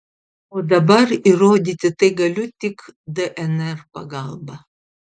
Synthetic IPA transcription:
od̪ɐbɐriroːd̪ʲit̪ʲɪt̪eɡɐlʲut̪ʲːikd̪əʔɛnɛrpɐ̰ɡalˠbɐ

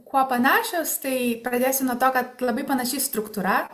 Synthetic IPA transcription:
kuɔpɐnɑːʃʲoʊst̪ɐɪpɾɐd̪ʲeːsʲɪnuɔt̪oːkɐt̪lˠɐbɐɪpɐnɐʃʲɪst̪ɾʊkt̪uɾɐ

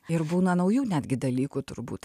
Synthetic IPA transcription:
ɪɾbuːnɐnɐʊjuːnʲæːd̪ʲɡʲɪd̪ɐlʲiːkuːt̪ʊ̰ɾbṵːt̪

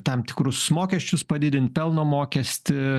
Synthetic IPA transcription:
t̪ɑmt̪ʲɪ̥kɾʊsmoːkʲɛsʲt͡ʃʲʊspɐd̪ʲɪd̪ʲɪnt̪̚pʲɛlˠnoːmoːkʲɛsʲt̪ʲɪ

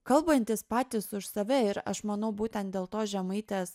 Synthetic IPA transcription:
kɐlˠbɐnʲt̪ʲɪspɑːt̪ʲɪsʊʃsɐʋʲɛɪɾɐ̰ʃmɐnɐʊbuːt̪ʲɛ̃nt̪d̪ʲeːlˠt̪oːʒʲɛmɐɪt̪ʲeːs

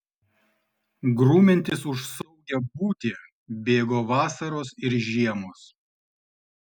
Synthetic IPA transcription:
ɡɾuːmʲɛnʲt̪ʲɪsʊʃsɐʊɡʲɛbuːt̪ʲɪ | bʲeːɡoːʋɑːsɐɾoːsɪɾʒʲiɛmoːs

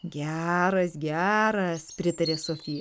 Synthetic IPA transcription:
ɡʲæːɾɐsɡʲæːɾɐspʲɾʲɪt̪ɐɾʲeːsoːfʲiːjɛ

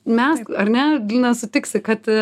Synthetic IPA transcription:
mʲɛsɐɾʲnʲɛɡlʲinɐsʊt̪ʲɪksʲɪkɐt̪

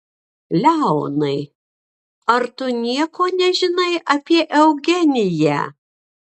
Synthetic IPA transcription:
lʲæˑʊnɐɪ | ɐɾt̪ʊnʲiɛkoːnʲɛʒʲɪnɐɪʔɐpʲiɛʔɛʊɡʲɛnʲɪjæ̰

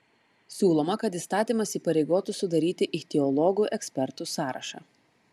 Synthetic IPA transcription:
sʲuːlˠoːmɐkɐt̪iˑst̪ɑːt̪ʲiːmɐsiːpɐɾʲɛɪɡoːt̪ʊsʊd̪ɐɾʲiːt̪ʲɪʔɪt̪ʲɛɔlˠɔɡuʔɛksʲpʲɛɾt̪ʊsɑːɾʔɐ̰ʃɑ̰ː

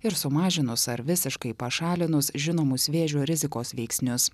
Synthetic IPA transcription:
ɪɾsʊmɑːʒʲɪnʊsɐɾʋʲɪsʲɪʃkɐɪpɐʃɑːlʲɪnʊsʒʲɪnoːmʊsʋʲeːʒʲuːɾʲɪzʲɪkoːsʋʲɛɪksʲnʲʊs

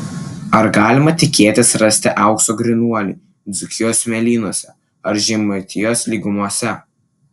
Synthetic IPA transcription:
ɐɾɡɑːlʲɪmɐt̪ʲɪkʲeːt̪ʲɪsɾɐsʲt̪ʲɪʔɐˑʊkst̪oːɡɾʲɪnuɔlʲḭː | d̪zʲʊkʲɪjoːsʲmʲɛlʲiːnuɔsʲɛ | ɐɾʒʲɛmʊt̪ʲɪjoːslʲiːɡʊmuɔsʲɛ

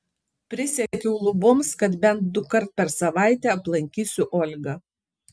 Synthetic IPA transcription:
pʲɾʲɪsʲɛkʲɛʊlˠʊbomskɐt̪bʲɛnt̪̚d̪ʊkɐɾt̪̚pʲɛɾsɐʋɑˑɪt̪ʲɛɐplˠɐŋʲkʲiːsʲʊʔɔːlʲɡɐ

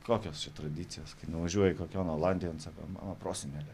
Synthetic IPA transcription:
koːkʲoːst͡ʃʲɛt̪ɾɐd̪ʲiːt̪sʲɪjoːskɐɪnʊʋɐʒʲuɔjɛɪkoːkʲoːnoːlˠɑnd̪ʲɪjonsɑːko̰mɑ̰ːnɐpɾoːsʲɪnʲælʲɛ

